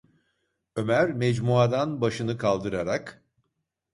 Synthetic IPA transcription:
ø̞mæɾmɛd͡ʒmuad̪anbaʃɯnɯkʰalˠd̪ɯɾaɾak

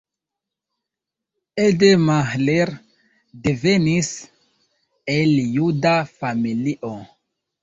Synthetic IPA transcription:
edemaxleɾ | devenis | eljudafamiliʔo

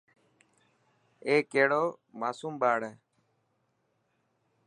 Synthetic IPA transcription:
eːkeːɽoːmaːsuːmɓaːɽe

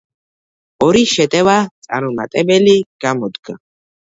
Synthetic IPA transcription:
ɔɾiʃɛt̪ʼɛvat̪sʼaɾumat̪ʼɛbɛliɡ̥amɔd̪ɡa

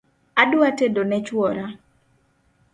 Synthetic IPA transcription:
adʊatedonɛt͡ʃwɔɾa

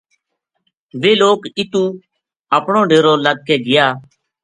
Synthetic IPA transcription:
ʋeːloːkɪt̪ũː | əːpɳõːɖeːɾoːləɡ̚keːɡɪjaː

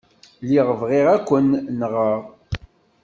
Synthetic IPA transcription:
liʁəvʁiʁækʷːənːəʁəʁ

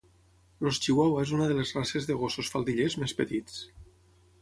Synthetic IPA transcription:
lost͡ʃiwawaezunəðəlezrasezðəɣososfalˠd̪iʎezmespət̪it͡s

